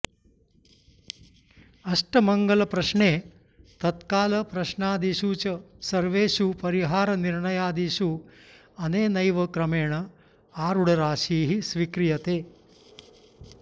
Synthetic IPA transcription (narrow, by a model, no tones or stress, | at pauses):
ɐʂʈɐmɐŋɡɐlɐpɾɐʃɳeː | t̪ɐt̪kaːlɐpɾɐʃɳaːd̪iʃuːt͡ʃɐsɐɾʋeːʃupɐɾiɦaːɾɐniɾɳɐjaːd̪iʃu | ɐneːnɐjʋɐkɾɐmeːɳɐ | aːɾuɽɐɾaːʃiːɦisʋikɾijɐt̪eː